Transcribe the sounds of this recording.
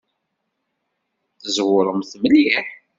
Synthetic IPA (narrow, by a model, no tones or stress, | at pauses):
θəzwʊɾˤəmθməljiħ